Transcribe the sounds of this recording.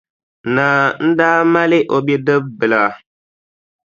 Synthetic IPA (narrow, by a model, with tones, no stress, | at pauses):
na˨n̩˦daː˦ma˦lɪ˦ʔo˨be˦dɨ˦b̚bɨ˨la˨